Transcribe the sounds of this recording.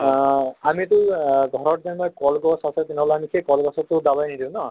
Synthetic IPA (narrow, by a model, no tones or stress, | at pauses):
amitʊɡʱɔɹɔtzanmɔjkɔlɡɔsasɛt̪inɔlanikʰekɔlɡɔsɔtːʊdabajnidĩw̃nɔ